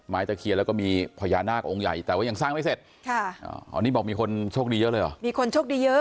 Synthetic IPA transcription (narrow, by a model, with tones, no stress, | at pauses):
maː˦˥˩jt̪a˧˩kʰi˧lːwkɔː˥˩miː˧pʰɔː˧jaː˧naː˥˩k̚ʔo˧ŋja̰˨˩jt̪ɛː˨˩waː˥˩ja˧˩ŋsaː˥˩ŋma˥˩jse˨˩t̪̚kʰa˥˩ʔa̰ː˧˩a̰˨˧niː˦˥bɔː˨˩k̚miː˧kʰo˧nt͡ɕʰoː˥˩k̚diː˧jɤ˦˥ʔlɤː˧jʔɔ̰˨˩miː˧kʰo˧nʰoː˥˩k̚iː˧jɤ˦˥